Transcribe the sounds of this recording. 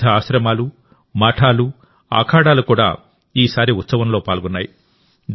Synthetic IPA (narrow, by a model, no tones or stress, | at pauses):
ɐaːʃɾɐmaːlu | mɐːʈʰaːlu | a̰ːkʰaːɽaːlukuːɽa̰ː | iːsaːɾiut̪sɐʋɐmlo̞ːpaːlɡɔnːaːji | d̪